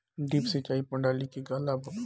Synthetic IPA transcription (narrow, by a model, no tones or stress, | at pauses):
ɖiːpsɪt͡ʃaːipɐɳɖaːlikiɡalab